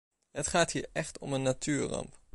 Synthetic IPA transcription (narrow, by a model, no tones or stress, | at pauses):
ətχaːthiːɹɛχtɔ̰mənːatʰyːɹrɑ̰mp